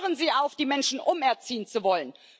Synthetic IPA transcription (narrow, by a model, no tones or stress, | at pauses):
ʁənziːʔaʊfd̥iːmɛnʃn̩ʔʊmɛɐt͡siːənt͡suvɔlən